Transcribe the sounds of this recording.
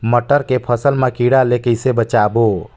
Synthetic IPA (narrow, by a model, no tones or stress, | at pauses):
məʈəɾkepʰəsəlmekiɽalekəjsebət͡ʃabo